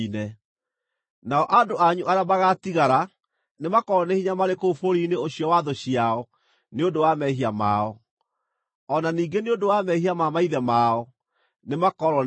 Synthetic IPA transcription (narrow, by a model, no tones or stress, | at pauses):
nɛ | naɔʔadoaɲuʔaɾeamaɣatiɣaɾa | nemakɔɾɔnehiɲamaɾekofoɾiːneoɕiɔwaðoɕiaɔ | neondowamɛɦiama̰ɔ | ɔnaniːɡeneodowamɛhiamamaiðɛmaɔ | nemakɔɾɔ